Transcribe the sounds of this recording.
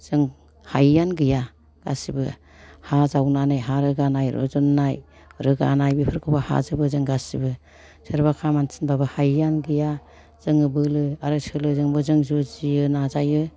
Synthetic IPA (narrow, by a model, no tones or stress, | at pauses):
z̥ɯŋ | hajːanɡɯja | ɡ̥a̰sibɯ | hazawnanajɦaɾɯɡanajɾo̰zɔnːaj | ɾɯɡa̰najbipʰɯɾkʰɯbaha̰zɯbɯzɯŋɡasibɯ | sʰɯɾbakʰamansʰi̥nbabɯhajːanɡɯja | z̥ɯŋɯbɯlɯaɾɯsɯlɯzɯŋbɯzɯŋzuziɯnazajɯ